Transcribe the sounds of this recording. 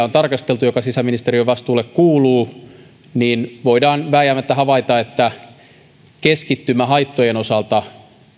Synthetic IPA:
ont̪ɑrkɑst̪elt̪ujokɑsisæminist̪eriøʋɑst̪uːlːekkuːluː | niːnʋoidɑːnʋæːjæmːæt̪ːæhɑʋɑit̪ɑet̪ːæ | keskit̪ːymːæhɑit̪ːojenosɑlt̪ɑ

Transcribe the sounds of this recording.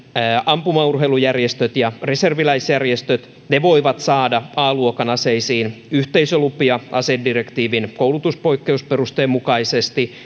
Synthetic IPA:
ɑmpumɑurɦeilujærjest̪øt̪jɑre̞serʋilæisjærjest̪øt̪ | neʋo̞iʋɑt̪sɑːdɑɑːluokɑnɑseisiːnyht̪eisølupiɑʔɑ̰seddirekt̪iːʋinkowlut̪uspo̞ikːe̞usperust̪eːmukɑisest̪i

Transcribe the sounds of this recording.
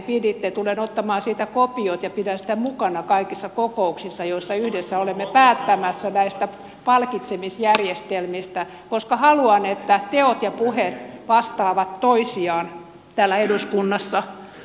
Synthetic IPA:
pidit̪ːet̪ulenot̪ːɑmɑːnsiːt̪ækopiot̪jɑpidænsĭ̥t̪æmukɑnɑkɑikisːɑkokouksisːɑjoisːɑyhdesːæolemːepæːt̪ːæmæsːænæist̪æ | pɑlkit̪semisjærjest̪elmist̪æ | koskɑhɑluɑnet̪ːæt̪eot̪jɑpuhet̪ʋɑst̪ɑːʋɑt̪toisiɑːn | t̪æːlːæeduskunːɑsːɑ

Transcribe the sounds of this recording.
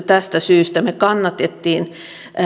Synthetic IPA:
t̪æst̪æsyːst̪æmekɑnːɑt̪et̪ːiːn

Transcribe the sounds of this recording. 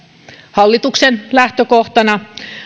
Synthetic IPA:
hɑlːit̪uksenlæht̪økoht̪ɑnɑ

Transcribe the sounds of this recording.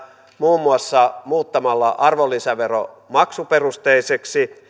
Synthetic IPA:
muːmːuɑsːɑmuːt̪ːɑmɑlːɑʔɑrʋolːisæʋero̰ | mɑksuperust̪eiseksi

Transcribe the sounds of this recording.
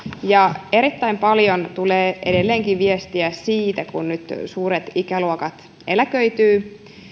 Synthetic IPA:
jɑe̞ɾit̪ːæjmpɑljo̞nt̪uleːʔede̞lːe̞ːŋkiʋiest̪iæsiːt̪ækunnyt̪suːɾe̞t̪ikæluokɑt̪ | elæk̟ø̞jt̪yː

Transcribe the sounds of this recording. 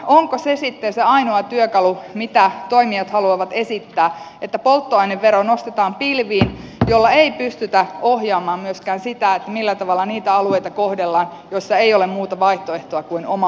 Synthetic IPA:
oŋkosesit̪ːenseɑinoɑt̪yøkɑlumit̪æt̪o̞imiɑt̪hɑluɑʋɑt̪esit̪ːæːʔet̪ːæpolt̪ːoɑineʋːeɾonost̪et̪ɑːmpilʋiːnjolːɑeipyst̪yt̪æohjɑːmɑːmmyøskæːnsit̪æet̪ːæmilːæt̪ɑʋɑlːɑniːt̪æɑlueit̪ɑkohdelːɑːn | joisːɑeijolemmuːt̪ɑʋɑiht̪oeht̪oɑkuinomɑ

